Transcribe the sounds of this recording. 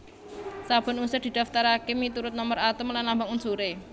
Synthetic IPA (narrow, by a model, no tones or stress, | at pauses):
sab̥ɔ̤nusɛd̪̥i̤d̪̥a̤ft̪aɾakemit̪uɾʊt̪̚nɔməɾat̪əmlanlambaŋunsuɾe